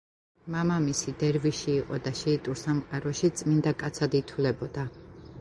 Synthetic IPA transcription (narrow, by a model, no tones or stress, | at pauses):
mamamisid̪ɛɾviʃiːqʼɔd̪aʃɛːt̪ʼuɾsamqʼaɾɔʃit̪sʼmind̪akʼat̪sʰad̪it̪ʰulɛbɔd̪̥a